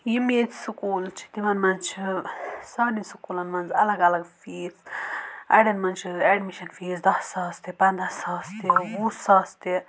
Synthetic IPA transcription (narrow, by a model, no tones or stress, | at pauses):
jimet̪sukuːlt͡ʃʰi̥d̪iʋɐnmɐnt͡ʃʰisaːninsukuːlɐnmɐnzɐlɐɡɐlɐɡfiːs | ɐ̰ɖɐnmɐnt͡ʃʰieɖmiʃɐnfiːzd̪ɐssaːst̪ipɐnd̪ɐsaːst̪iwuːsaːst̪i